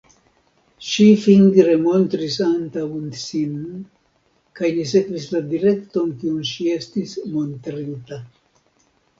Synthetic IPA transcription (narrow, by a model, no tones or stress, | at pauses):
ʃifiŋɡɾemo̞nt̪ɾisant̪awnsin | kajlis̬e̞kvislad̪iɾe̞kt̪o̞nkiunʃie̞st̪ismo̞nt̪ɾit̪a